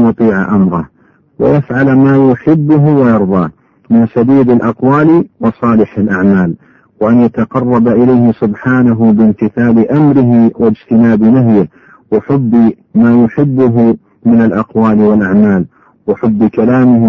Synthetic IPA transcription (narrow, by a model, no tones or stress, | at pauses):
ʊt̪ˤiːʕa̰ʔamɾˤɑh | wa̰jafʕalmaːjʊħɪbːʊɦʊwajɑɾˤðˤɑː | mɪnsad̪iːd̪alʔɑqwaːlwɑsˤɑːlɪħalʔaʕmaːl | waʔanjat̪aqɑrˤːɑbaʔɪlajhɪsʊbħaːnaɦʊbɪnt̪ɪθaːlɪʔamɾɪɦɪwɪd͡ʒt̪ɪnaːbnaɦjɪh | wɪħʊbː | maːjʊħɪbːʊɦʊ | mɪnalʔɑqwaːlɪwalʔaʕmaːl | wɪħʊbːkalaːmɪh